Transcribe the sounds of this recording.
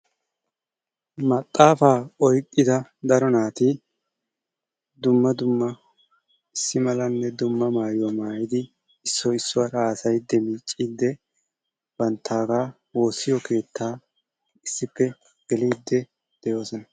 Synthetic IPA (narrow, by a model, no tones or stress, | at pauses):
mɐt̪ʼːaːfaːɔjkʼːɪd̪ɐd̪ɐɾɔnaːt̪i | d̪ʊmːɐd̪ʊmːɐ | ɪsːɪmɐlɐnːɛd̪ʊmːɐmaːjwɔmaːjɪd̪ɪ | ɪsːɔɪsːʊwɐɾaːsɐjɪd̪ːɛmiːt͡ʃʼːiːd̪ːɛ | b̥ɐnt̪ʰːaːɡaː | wo̞ːsːɪjɔkʰe̞ːt̪ʰːaː | ɪsːɪpːɛ | ɡ̥ɛliːd̪ːɛ | d̪̥ɛjo̞ːsɔnɐ